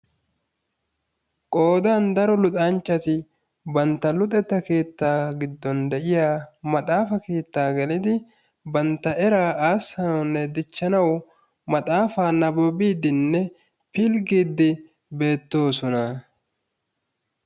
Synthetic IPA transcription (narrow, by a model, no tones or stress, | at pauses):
kʼo̞ːd̪aːnd̪ɐɾɔlʊt̪ʼant͡ʃːɐt̪ɪ | bɐnt̪ːɐlʊt̪ʼɛt̪ːɐke̞ːt̪ːaːɡɪd̪ːɔnd̪ɛʔɪjaːmɐt̪ʼaːfɐke̞ːt̪ːaːɡɛlɪd̪ɪ | bɐnt̪ːɐʔɛɾaːaːsːɐnɐwnːɛd̪ɪt͡ʃːɐnɐw | mɐt̪ʼaːfaːnɐbɔbiːd̪ɪnːɛ | pɪlɡiːd̪ːɪ | be̞ːt̪ːo̞ːsɔnɐ